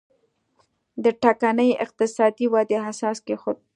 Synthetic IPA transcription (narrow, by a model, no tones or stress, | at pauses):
d̪əʈakanəjɪ̰q̚t̪ɪsɑd̪iwɑd̪eɦasɑskexo